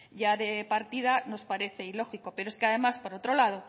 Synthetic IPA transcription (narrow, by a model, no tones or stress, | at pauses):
ɟ͡ʝaðe̞paɾt̪ið̞ano̞spaɾe̞θe̞ilo̞xikope̞ɾoeskeaðe̞maspoɾot̪ɾo̞lað̞o